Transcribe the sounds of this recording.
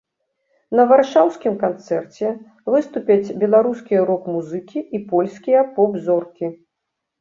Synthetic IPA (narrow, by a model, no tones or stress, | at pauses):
nɐvarʂawskʲimkant̪sɛrt͡sʲɛ | vɨst̪upʲɐt͡sʲbʲɛlˠaɾuskʲijɐɾɔkmuzɨkʲiʔːpɔlʲsʲkʲijɐpɔbzɔrkʲi